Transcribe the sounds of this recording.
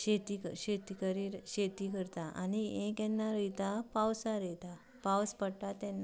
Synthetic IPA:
ɕet̪ikəɕet̪ikəɾiɕet̪ikəɾt̪aʔa̰niẽkɛnːaɾəjt̪apawsaɾɛt̪a | pawspəɽt̪at̪ɛnːa

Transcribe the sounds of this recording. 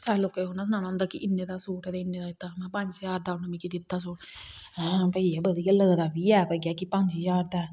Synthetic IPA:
sɛːloːkeːɦoːnaːs̬ənaːnaːɦʊ̃nd̪aːkɪʔɪnːeːd̪aːsuːʈɛd̪eɪnːeːd̪aːɪt̪ːaːmɛ̃ːpəɲd͡ʒd͡ʒaːɾd̪aːnəmĩːkid̪ɪt̪ːaːsuːʈ | ɛ̃pəiːɛːbəd̪iːkələɡd̪aːbiːɛːpəɡjaːkɪpəɲd͡ʒid͡ʒaːɾd̪ɛː

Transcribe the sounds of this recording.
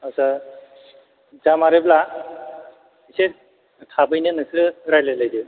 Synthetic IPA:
asa | zamaɾebla | ise | tʰabɯjnɯnɯsɯɾajlalajdi

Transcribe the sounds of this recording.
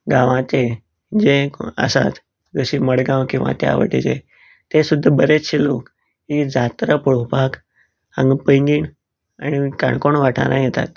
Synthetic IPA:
ɡãʋãt͡ɕe | d͡ʑeə̰sa̰t̪ | d͡zəɕiməɽɡãwkĩw̃ʋa̰t̪ea̰ʋə̰ʈit͡ɕḛ | t̪esud̪ʱːəbəɾet͡sɕilok | ɦid͡zat̪ɾəpəɽopak | ə̃ŋɡpəjŋɡiːɳ | aɽ̃ika̰ɳkoɳʋaʈʰa̰ɾãjet̪a̰t̪

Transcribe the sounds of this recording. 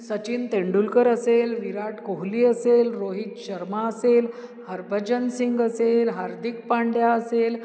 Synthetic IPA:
sət͡ɕint̪ẽɳɖulkəɾəselʋiɾaʈkoɦliːəselɾoɦit̪ɕəɾmaəsel | həɾbʱəd͡ʑənsiŋɡəselɦaɾd̪ʱik̚paɳɖjaəsel

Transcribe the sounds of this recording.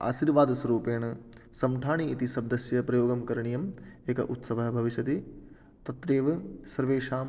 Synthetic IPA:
a̰ːʃiːɾʋaːd̪ɐsɐɾuːpeːɳɐsɐmʈʰaːɳiːt̪isɐb̚d̪ɐsjɐpɾɐjoːɡɐmkɐɾɐɳijɐmeːkɐ̰ʔut̪sɐʋɐɦɐbʱɐʋiʃɐt̪i | t̪ɐt̪ɾeːʋsɐɾʋeːʂaːm

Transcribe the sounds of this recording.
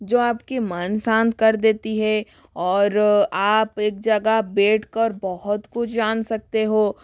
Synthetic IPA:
d͡ʒoːaːpkemənsãːnt̪̚kɐɾd̪eːt̪iɦɛ | ɔːɾaːpeːk̚d͡ʒɐɡabeːʈʰkəɾbɐɦʊt̪kʊt͡ʃʰd͡ʒaːnsɐk̚t̪eɦoː

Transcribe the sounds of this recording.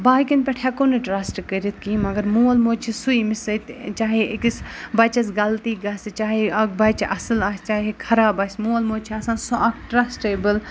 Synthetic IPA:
baːikinpʲeʈʰɛkonɨʈɾaːsʈkəɾit̪̚ʰkiːmɐɡɐɾmulmoːt͡ʃʰisuimisɐt̪t͡ʃaːɦekisbɐt͡ʃɐsɡɐlt̪iːɡɐst͡ʃaːɦeɐkbɐt͡ʃʰʔɐsɨlaːst͡ʃaːɦekʰɐɾaːbɐːsʲmoːlmoːt͡ʃʰiɐsãːnsoʔɐkʰʈɾaːsʈeːbɨl

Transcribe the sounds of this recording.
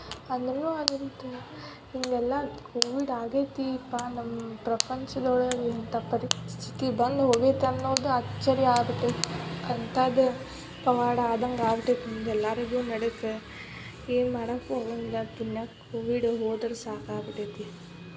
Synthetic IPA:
ɐnd̪unːuːɐd̪ɐnt̪ | iŋɡɛlːaːkʰoːʋiɖaːɡeːt̪iːpːaːnɐmːɐpɾɐpɐɲt͡ʃɐd̪oːɽɐint̪ɐpɐɾit̪ʰi̥t̪ibɐnd̪ɦoɡet̪ːɐnːɐʋɐd̪uɐt͡ʃːɐɾjaːbiʈːɯɐnt̪aːd̪ɯ | pɐʋaːɽɐaːd̪ɐŋɡaːʋiʈːet̪ːiniŋɡɛlːaːɾɐɡunɐɽɐkːɯ | eːmɐɽɐkːoɐʋɐnd̪ɐpunjaːkoːʋiɽɦoːd̪ɐɾsaːkaːʋiʈːet̪ːi

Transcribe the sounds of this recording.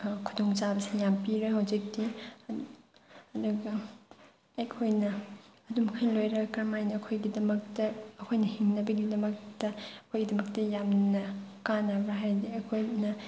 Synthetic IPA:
kʰudoŋt͡ʃabɐsijampiɾɐɦɐwzik̚di | ɐduɡɐː | kʰojnɐɐdumkʰɐjlojɾɐkɐɾmajnɐːkʰojɡidɐmɐk̚tɐːkʰojnɐhiŋnɐbɐɡidɐmɐk̚tɐɐkʰojɡidɐmɐk̚tɐjamnɐkanɐbɾɐɦajdiɐkʰojnɐ

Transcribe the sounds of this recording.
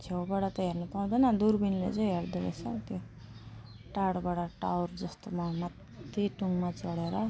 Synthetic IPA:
t͡sʰewbaɽat̪ʌɦernʌpaũd̪ʌnʌd̪urbinlḛt͡sʌĩɦerd̪uɾḛt͡sʰʌt̪jo | ʈaɽbaɽaʈawrd͡zʌst̪omamat̪ːeʈuŋɡmat͡sʌɽeɾʌ

